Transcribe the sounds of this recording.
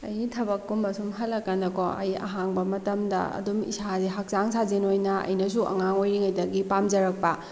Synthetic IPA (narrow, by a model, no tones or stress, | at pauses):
ɐjtʰɐbɐkːumːɐsumɦɐllɐkːɐnɐkoɐ̰jɐ̰ɦaŋbɐmɐtɐmdɐ̰ɐ̰dumḭsazeɦak̚zaŋsʰazinojnɐɐ̰jnɐs̬uʔɐ̰ŋaŋojɾiŋɐjdɐɡipamd͡ʒɐɾɐk̚pɐ